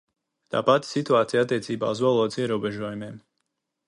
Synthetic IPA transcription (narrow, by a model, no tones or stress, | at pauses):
t̪a̰ːpat̪sit̪uaːt̪sijat̪ːiɛt̪siːba̰ːuzvɔlˠɔːd̪zɛɾuɔbɛʒuɔjumɛɛm